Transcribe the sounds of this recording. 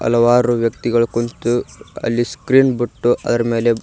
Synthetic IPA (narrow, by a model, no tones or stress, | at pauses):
ɐ̰lɐʋaːɾuʋjɐk̚t̪iɡɐɭukunt̪uɐ̰lːiskɾiːnbiʈːuʔɐ̰d̪ɐɾɐme̞ːle̞